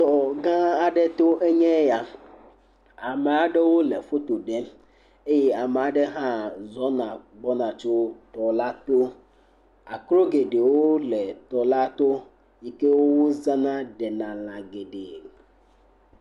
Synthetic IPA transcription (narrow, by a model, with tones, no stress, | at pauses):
t̪ɔ˨ɡã˦a˨ɖe˦t̪o˦ʔe˦ɲɛ̃˦ja˨ | a˨me˨a˨ɖe˦wo˦le˨fo˦t̪o˨ɖe˦ | e˦je˦a˨me˨a˨ɖe˦ɦã˦zɔ˦nã˨ɡ͡bɔ˦nã˨t͡ʃo˦t̪ɔ˨la˦t̪o˦ | a˨kɾo˦ɡe˨ɖe˨wo˦lɛ˨t̪ɔ˨la˦t̪o˦ | ji˨ke˦wo˦wo˦zã˦nã˦ɖɛ˨nã˨lã˨ɡe˨ɖe˨